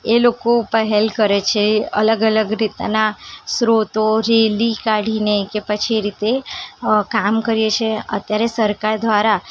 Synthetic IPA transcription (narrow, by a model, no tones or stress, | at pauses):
elokopəɦelkəɾet͡ʃʰeə̰ləɡələɡɾit̪a̰nasɾot̪oɾelikaɽ̤inekepət͡ʃʰieɾit̪e | kamkəɾijet͡ʃʰeə̰t̪jaɾesəɾkaɾd̪ʋaɾa